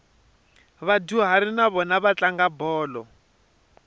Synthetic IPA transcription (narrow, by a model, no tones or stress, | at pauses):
βaduɦaɾinaβɔnaβat͡ɬaŋɡabɔːlɔ